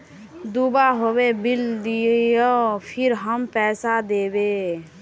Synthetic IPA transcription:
d̪ubaɦobebɪld̪iejopʰɪɾɦəmpɛːsad̪eːbe

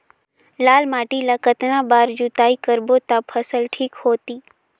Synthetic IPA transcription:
laːlmaːʈilakət̪nãbaːɾd͡ʒut̪aːikəɾbot̪apʰəsəlʈʰiːkhoːt̪iː

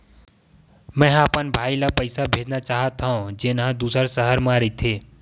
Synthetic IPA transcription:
mɛ̃ːapənbʱaːilapəɪsabʱeːd͡ʒnat͡ʃaːɦət̪ʰaõd͡ʒenɦãd̪uːsəɾsəɦəɾmãɾəit̪ʰeː

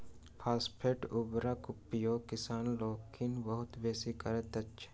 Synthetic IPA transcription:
pʰaːspʰeːʈʊbɾakʊpːijokɪsaːnloːkʰinbɐɦʊt̪beːsikɐɾət̪ɐtːʃʰe̥

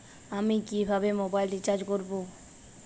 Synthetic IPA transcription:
amikibʱabemobajlʈit͡ɕaɾd͡ʑkoɾbo

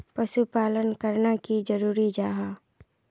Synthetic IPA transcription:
pəʃupaːlənkəɾnakid͡ʒəɾuːɾid͡ʒaːɦaː

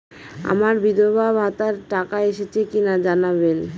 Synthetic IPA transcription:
a̰maɾbid̪obʱabʱat̪aɾʈakaeʃet͡ɕʰekinad͡ʑanaβen

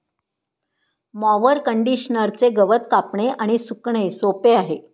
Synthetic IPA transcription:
mɔʋəɾkəɳɖiɕnəɾt͡seɡəʋət̪kapɳeʔaɽ̃isukɳesopeaɦe

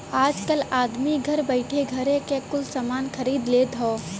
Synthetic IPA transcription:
aːd͡ʒkəlaːd̪miɡʱɐɾbəɪʈʰeɡʱɐɾẽkekʊlsamaːnxɐɾiːd̪leːd̪ʱoː

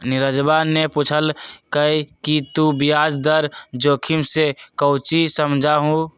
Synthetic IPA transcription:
nɪɾəd͡ʒbaːnːeput͡ʃʰəlkəikit̪ubijaːd͡ʒd̪əɾd͡ʒoːkʰimsekəʊt͡ʃisəmd͡ʒʱaɦũ

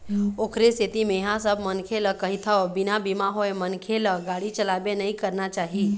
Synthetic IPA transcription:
oːkʰɾest̪ʰit̪imẽɦãsəbʱmənkʰeləkəɦit̪ʰəbɪnabimaɦoemənkʰeləɡaːɽit͡ʃəlaːbenəĩkəɾnat͡ʃaːɦi

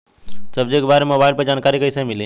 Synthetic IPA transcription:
səbd͡ʒeːkbaɾemobaːilpɐɾd͡ʒankaɾikəjsẽmilĩ

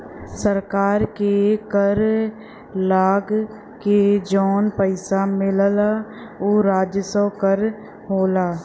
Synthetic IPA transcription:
səɾkaːɾkekəɾ | laːɡ | ked͡ʒɔːnpəɪsamɪllaoːɾaːd͡ʒjəsəkəɾ | ɦoːlaː

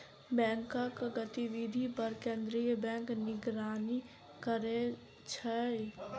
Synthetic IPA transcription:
bɛ̃ŋkəkɡət̪iʋid̪ʱipəɾkẽnd̪ɾijəbɛ̃ːŋknɪɡɾaːni | kəɾe | t͡ʃʰə

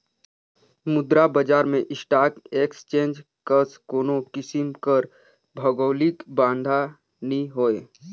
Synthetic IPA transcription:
mʊd̪ɾabəd͡ʒaːɾmẽʔɪsʈaːkeːkst͡ʃẽːnd͡ʒ | kəskoːnokɪsɪmkəɾ | bʱəɡoːlikbãːnd̪ʱa | nĩɦoːeː

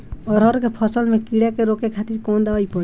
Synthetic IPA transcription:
ɔɾɦɔɾkepʰɔsɔlmẽkiɽakeɾokekʰat̪iɾkond̪awajpɔ

